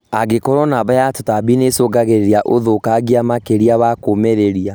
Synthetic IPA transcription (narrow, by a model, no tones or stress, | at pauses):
aɡekɔɾɔnaβajatotabinesoɡaɣeɾeɾiaʔoðokaɣiamakeɾiaβakomɛɾeɾia